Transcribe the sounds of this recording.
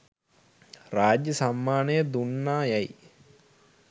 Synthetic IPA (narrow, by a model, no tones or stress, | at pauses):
raːd͡ʒjəsamːaːnəjəd̪unːaːjaj